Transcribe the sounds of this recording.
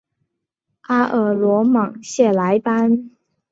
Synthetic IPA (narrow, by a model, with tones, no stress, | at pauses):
ʔa˥ʔə˨˩lwɔ˧˥mɑ˨˩ŋɕjɛ˥˩la˧˥ɪpa˥n